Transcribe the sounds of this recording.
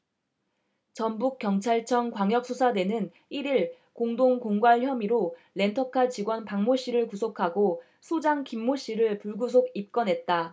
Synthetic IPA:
t͡ɕʌnbuk͈jʌŋt͡ɕʰaɭt͡ɕʰʌŋkwaŋjʌk̚s͈ʰusʰadwe̞nɯn | iɾiɭ | koŋdoŋkoŋɡwaɭçjʌmiɾoɭe̞ntʰʌkʰat͡ɕiɡwʌnpaŋmoɕ͈iɾɯɭkusʰokʰaɡo | sʰod͡ʑaŋkimːoɕ͈iɾɯɭpuɭɡusʰoɡip̚k͈ʌnɦe̞t̚t͈a

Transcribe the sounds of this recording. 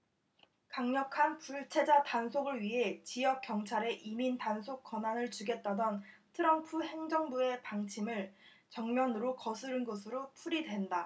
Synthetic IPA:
kaŋɲʌkʰanpuɭt͡ɕʰe̞d͡ʑatansʰoɡɯɭɥiɦe̞t͡ɕijʌk̚k͈jʌŋt͡ɕʰaɾe̞ʔimintansʰok͈ʌnanɯɭt͡ɕuɡe̞t̚t͈adʌntʰɯɾʌmpʰuhe̞ŋd͡ʑʌŋbue̞paŋt͡ɕʰimɯɭ | t͡ɕʌŋmjʌnɯɾokʌsʰɯɾɯnɡʌs̬ʰɯɾopʰuɾidwe̞nda

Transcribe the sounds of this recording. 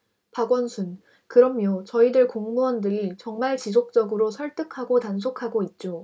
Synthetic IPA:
paɡwʌnsʰun | kɯɾʌmjʌt͡ɕʌidɯɭkoŋmuʌndɯɾit͡ɕʌŋmaɭt͡ɕis̬ʰok̚t͡ɕ͈ʌɡɯɾosʰʌɭt͈ɯkʰaɡotans̬ʰokʰaɡoit̚t͡ɕ͈o

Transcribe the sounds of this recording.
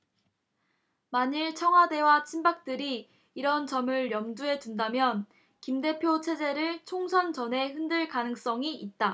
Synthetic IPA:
maɲiɭt͡ɕʰʌŋɦwade̞wat͡ɕʰinbak̚t͈ɯɾiː | ɾʌnt͡ɕʌmɯɭjʌŋduɦe̞d͡ʑundamjʌn | kimde̞pʰjot͡ɕʰe̞d͡ʑe̞ɾɯɭt͡ɕʰoŋsʰʌnt͡ɕʌne̞ɦɯndɯɭkanɯŋs͈ʌŋiʔit̚t͈a

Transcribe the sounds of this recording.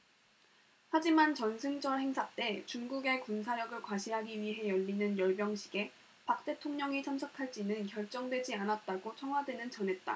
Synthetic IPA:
had͡ʑimant͡ɕʌnsʰɯŋd͡ʑʌhe̞ŋsʰat͈e̞t͡ɕuŋɡuɡe̞kuns̬ʰaɾjʌɡɯɭkwaɕʰiɦaɡiɥiɦe̞jʌʎːinɯnjʌɭbjʌŋɕʰi̥ɡe̞ | pak̚t͈e̞tʰoŋɲʌŋisʰʌmsʰʌkʰaɭt͡ɕ͈inɯnkjʌɭt͡ɕ͈ʌŋdwe̞d͡ʑianat̚t͈aɡot͡ɕʰʌŋɦwadwe̞nɯnt͡ɕʌnɦe̞t̚t͈a̰

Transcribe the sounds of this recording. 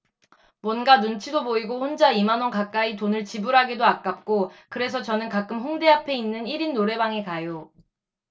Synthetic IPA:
mwʌnɡanunt͡ɕʰidoboiɡoɸond͡ʑaimanwʌnkak͈aitonɯɭt͡ɕibuɾɦaɡidoak͈ap̚k͈okɯɾe̞sʰʌt͡ɕʌnɯnkak͈ɯmɸoŋde̞ɦapʰe̞inːɯniɾinːoɾe̞baŋekajo

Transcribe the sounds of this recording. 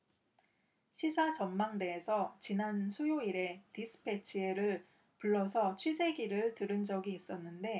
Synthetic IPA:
ɕʰisʰat͡ɕʌnmaŋde̞ːsʰʌt͡ɕinansʰujoiɾe̞tisʰɯ̥pʰe̞t͡ɕʰie̞ɾɯɭ | puɭːʌsʰʌt͡ɕʰwid͡ʑe̞ɡiɾɯɭtɯɾɯnd͡ʑʌɡiːs͈ʌnːɯnde̞

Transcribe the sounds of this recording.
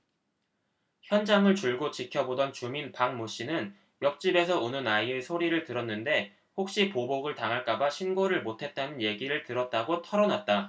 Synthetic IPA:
çjʌnd͡ʑaŋɯɭt͡ɕuɭɡot͡ɕikʰjʌbodʌnt͡ɕuminpaŋmoɕ͈inɯn | jʌk̚t͡ɕ͈ibe̞sʰʌunɯnaie̞sʰoɾiɾɯɭtɯɾʌnːɯnde̞ | hok̚ɕ͈ipoboɡɯɭtaŋɦaɭk͈abaɕʰinɡoɾɯɭmotʰe̞t̚t͈anɯnje̞ɡiɾɯɭtɯɾʌt̚t͈aɡotʰʌɾʌnat̚t͈a

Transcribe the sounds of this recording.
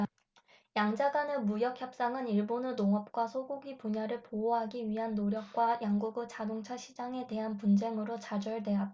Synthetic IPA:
jaŋd͡ʑaɡanɯmujʌk̚ʰçjʌp̚s͈aŋɯniɭbonɯnoŋʌp̚k͈wasʰoɡuɡipuɲaɾɯɭpooɦaɡiɥiɦanːoɾjʌk̚k͈wajaŋɡuɡɯt͡ɕadoŋt͡ɕʰaɕʰid͡ʑaŋe̞de̞ɦanpund͡ʑe̞ŋɯɾot͡ɕad͡ʑʌɭdwe̞ɦat̚

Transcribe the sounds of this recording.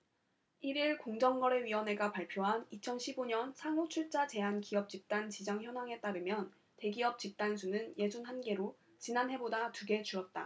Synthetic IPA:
iɾiɭkoŋd͡ʑʌŋɡʌɾe̞ɥiʌne̞ɡapaɭpʰjoɦanit͡ɕʰʌnɕʰiboɲʌnsʰaŋot͡ɕʰuɭt͡ɕ͈at͡ɕe̞ɦankiʌp̚t͡ɕ͈ip̚t͈ant͡ɕid͡ʑaŋçjʌnaŋe̞t͈aɾɯmjʌn | te̞ɡiʌp̚t͡ɕ͈ip̚t͈ans̬ʰunɯnje̞d͡ʑunɦanɡe̞ɾo | t͡ɕinanɦe̞bodatuɡe̞t͡ɕuɾʌt̚t͈a̰

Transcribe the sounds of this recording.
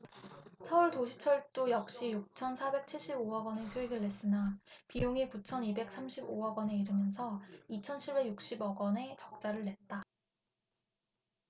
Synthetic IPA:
sʰʌuɭtoɕʰi̥t͡ɕʰʌɭt͈ojʌkɕ͈ijuk̚t͡ɕʰʌnsʰabe̞k̚t͡ɕʰiɭɕ͈iboʌɡwʌnesʰoiɡɯɭːe̞s͈ɯnapijoŋikut͡ɕʰʌnibe̞k̚s͈ʰamɕʰiboʌɡwʌne̞iɾɯmjʌnsʰʌit͡ɕʰʌnt͡ɕʰiɭbe̞ɡjuk̚ɕ͈ibʌɡʌne̞t͡ɕʌk̚t͡ɕ͈aɾɯɭːe̞t̚t͈a

